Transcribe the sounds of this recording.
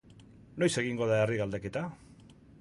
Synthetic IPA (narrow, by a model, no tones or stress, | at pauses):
no̞jse̞ɣ̞iŋɡo̞ðaeriɣald̪eke̞t̪a